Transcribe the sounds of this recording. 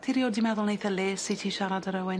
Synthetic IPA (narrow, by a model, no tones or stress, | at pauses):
tʰiɾjoːdimɛðʊlˠnejθəleːsitʰiːʃaɾadəɾəwɪ